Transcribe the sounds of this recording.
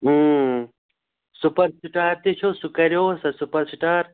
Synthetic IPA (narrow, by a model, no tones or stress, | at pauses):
supɐɾsiʈaːɾt̪et͡ʃʰosukɐɾjoːsɐsupɐɾsiʈaːɾ